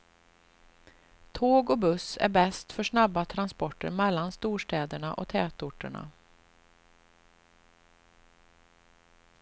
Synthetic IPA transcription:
t̪ʰoːɡɔbɵsæ̰ɾbɛst̪fœʂnabːat̪ʰɾanspɔʈːə̰ɾmɛlːanst̪uːʂʈɛːd̪əɳaʔɔt̪ʰɛːt̪ʊʈːə̰ɳa̰

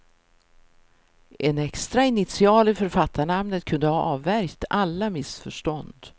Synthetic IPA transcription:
ʔɛnɛkst̪ɾaɪnɪt̪sɪɑːlɪfœɾfat̪ːaɳamnət̪kʰɵnd̪əhɑʔɑːvːæɾkt̪ʰalːamɪsfœʂʈɔnd̪

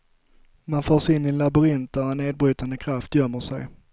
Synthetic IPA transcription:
manfoːʂɪnːɪnlabɵɾɪnt̪̚d̪æɾɛnːeːd̪̚bɾyːt̪and̪əkʰɾaft̪jœmːəʂɛ̰j

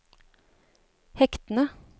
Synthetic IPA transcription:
hɛkt̪n̩ə

